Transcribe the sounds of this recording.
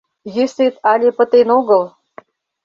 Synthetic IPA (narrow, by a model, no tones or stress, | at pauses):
jeset̪ɑlʲepə̆t̪enoɣəlˠ